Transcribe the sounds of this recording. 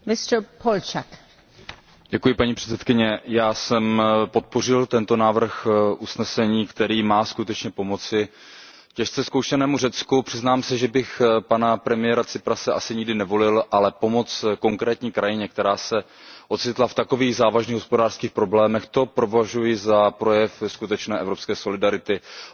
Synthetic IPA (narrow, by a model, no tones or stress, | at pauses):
mɪst̪pʰolt͡ʃak | ɟ̥ɛkujɪpaɲiːpr̥ɛ̥t͡sɛt̪kɪɲɛjaːsɛmpo̞t̪̚po̞r̝ɪlt̪ɛnt̪o̞naːvr̩xʔusnɛsɛɲiːkt̪ɛɾiːmaːskut̪ɛt͡ʃɲɛpo̞mo̞t͡sɪ | cɛʃt͡sɛskowʃɛnɛːmurɛt͡skupr̥ɪznaːmsɛʒɛbɪxpanapɾɛmɪjɛːɾat͡sɪpɾasɛʔasɪɲɪɡdɪnɛvo̞lɪlʔalɛpo̞mo̞t͡sko̞ŋkɾɛːt̪ɲiːkɾajɪɲɛk̚t̪ɛɾaːsɛ | ʔo̞t̪t͡sɪt̪laft̪ako̞viːɣzaːvaʒniːɦospo̞daːr̥skiːxpɾo̞blɛːmɛxt̪o̞pɾo̞vaʒujɪzapɾo̞jɛfskut̪ɛt͡ʃnɛːʔɛvɾo̞pskɛːso̞lɪdaɾɪt̪ɪ